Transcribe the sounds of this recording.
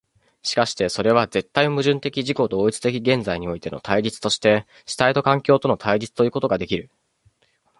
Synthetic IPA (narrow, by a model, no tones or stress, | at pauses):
ɕi̥kaɕi̥t̪e̞so̞ɾe̞β̞aze̞t̪ːainomɯ̟ʑɨ̃nt̪e̞kʲiʑiko̞d̪o̞ːit͡sɨ̥t̪e̞kʲiɡẽ̞nd͡zaiɲ̟io̞it̪e̞no̞̰t̪ʰaiɾʲit͡sɨ̥t̪o̞ɕi̥t̪e̞ | ɕi̥t̪ait̪o̞kãŋkʲo̞ːt̪o̞no̞t̪ʰaiɾʲit͡sɨ̥t̪o̞jɯ̟ːko̞t̪o̞ɡad̪e̞kʲiɾɯ̟